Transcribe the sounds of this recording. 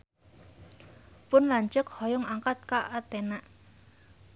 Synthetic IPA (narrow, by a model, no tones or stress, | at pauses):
pʊnlaɲt͡ʃʊkhɔjɔŋaŋkat̪̚kaʔat̪enaʔ